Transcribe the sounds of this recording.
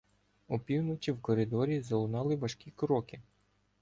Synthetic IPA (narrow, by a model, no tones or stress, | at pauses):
upʲiwnɔt͡ʃʲiwkɔɾɪd̪ɔɾʲizɐlˠʊnɑlˠɪʋɐʃkʲikɾɔkɪ